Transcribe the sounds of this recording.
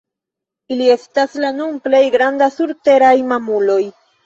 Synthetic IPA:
ilie̞staslanunple̞jɡɾandasuɾte̞ɾajmamulo̞j

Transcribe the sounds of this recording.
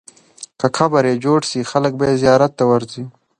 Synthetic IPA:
kakʰabaɾjed͡ʒoɖsixalək̚bajezijɑːɾat̪ːawaɾzi

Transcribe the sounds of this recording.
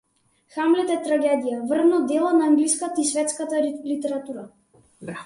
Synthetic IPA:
xamlɛt̪ɛt̪ɾaɡʲɛd̪ijavr̩nɔd̪ɛlˠɔnaːŋɡliskat̪aisvɛt̪skat̪alit̪ɛɾat̪uɾa

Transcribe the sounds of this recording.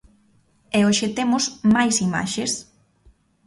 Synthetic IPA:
ɛoʃet̪emʊsmajsima̰ʃes

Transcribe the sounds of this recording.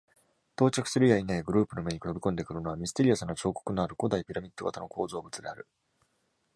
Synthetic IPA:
t̪o̞ːt͡ɕakɯ̟̥sɨɾɯjainaiɡɯ̟ɾɯ̟ːpɯ̟no̞me̞ɲ̟ikɯɾobʲikõ̞nd̪e̞kɯ̟ɾɯno̞βamʲisɨ̥t̪e̞ɾijasãnːot͡ɕo̞ːko̞̥kɯ̟no̞aɾɯ̟ko̞d̪aipʲiɾamʲit̪ːo̞ɡat̪ano̞ko̞ːzo̞ːbɯ̟t͡sɨd̪e̞aɾɯ̟

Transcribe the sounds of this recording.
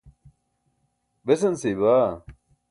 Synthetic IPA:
besɐnsibaː

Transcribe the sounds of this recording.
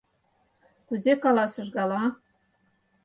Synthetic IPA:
kʉzekɑlˠɑsɤ̆ʒɡɑlˠɑ

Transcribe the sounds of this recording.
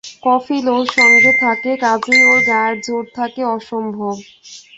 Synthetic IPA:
kɔfiloʃɔŋɡɾet̪ʰakekad͡ʑioɡaɾd͡ʑoɾt̪ʰakeɔʃombʱob

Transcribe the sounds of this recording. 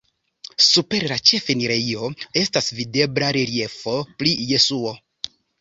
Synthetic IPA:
supe̞ɾlat͡ʃe̞feniɾeio̞e̞stasvide̞blaɾeɾie̞fo̞pɾije̞suo̞

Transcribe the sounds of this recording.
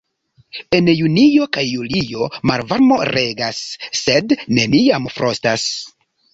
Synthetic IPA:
e̞njunijo̞kajːulijo̞maɾvaɾmo̞ɾe̞ɡasːe̞dne̞niamfɾostas

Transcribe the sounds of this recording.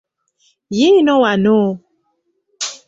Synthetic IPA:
jeinɔ̃wano

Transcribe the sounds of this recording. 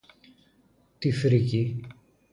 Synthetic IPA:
t̪ifɾici

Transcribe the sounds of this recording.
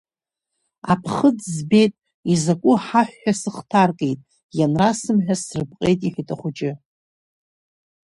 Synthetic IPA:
a̰pʰχəd͡zzbe̞jtʼ | izakʷʼʊħaħʷᶣːasɨχtʰarkʼejtʼ | janrasɨmħᶣasrɨbqʼe̞jtʼiħʷᶣitʼaχʷʊt͡ʃʼɪ

